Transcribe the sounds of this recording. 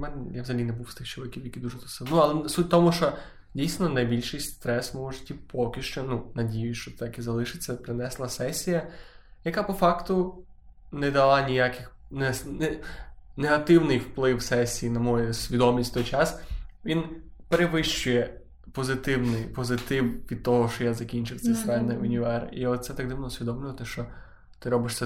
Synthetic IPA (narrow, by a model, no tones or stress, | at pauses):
mɛnɛjaʋzɐɦɐlʲinɛbuwst̪ɪxt͡ʃɔʋɪkʲiwjɐkʲid̪uʒɛsɔsɪnʊɐlˠɛsutʲt̪ɔmʊʃt͡ʃɔ | dʲijsnɔnɐjbʲilʲʃɪjst̪ɾɛsmɪmɔʒɪtʲːipʰɔkʲɪʃt͡ʃɔnunɐdʲijʊʃt͡ʃɔt̪akizɐlˠɪʃɪt͡sʲːɐpɾɪnɛslˠɐsɛsʲijɐjɐkapɔfɑkt̪ʊ | nɛd̪ɐlˠɑnʲijakɪxnɛɛneɦɐt̪ɪwnɪjwplˠɪwsɛsʲijinɐmɔjʊsʲʋʲid̪ɔmʲisʲtʲt̪ɔjt͡ʃasʋʲinpeɾeʋɪʃt͡ʃʊjɛ | pɔzɪt̪ɪwnɪjpɔzɪt̪ɪwʋʲid̪̚t̪ɔɦɔʃt͡ʃɔjazɐkʲinʲt͡ʃɪwtsɛjsɛnːɪʋɪnʲjʊɛriɔt̪t̪sɛt̪aɡ̚d̪ɪʋnɔʊsʲʋʲid̪ɔmlʲʊʋɐt̪ɪʃt͡ʃɔ | t̪ɪɾɔbɪʃsɛ